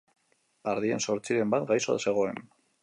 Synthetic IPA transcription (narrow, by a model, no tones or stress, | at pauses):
aɾðie̞nso̞ɾt͡siɾe̞mbat̪ɡajso̰se̞ɣ̞o̞e̞n